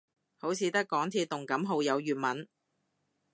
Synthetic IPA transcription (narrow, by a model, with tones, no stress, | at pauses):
ho˨˥wt͡sʰiː˨˧t̪ɐ˥kːɔː˨˥ŋt̪ʰiː˧˥t̪ʊ˨ŋkɐ˨˥mɦo˨˧wjɐ˨˧wjyː˨˩t̚mɐ˨˥n